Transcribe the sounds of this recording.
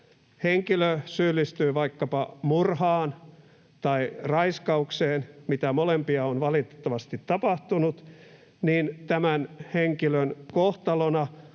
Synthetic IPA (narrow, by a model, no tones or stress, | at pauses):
heŋkiløsylːist̪yːʋɑikːɑpɑmurhɑːn | t̪ɑirɑiskɑukseːnmit̪æmolempiɑonʋɑlit̪t̪ːɑʋɑst̪it̪tɑpɑht̪unut̪ | niːnt̪æmænheŋkilønkoht̪ɑlonɑ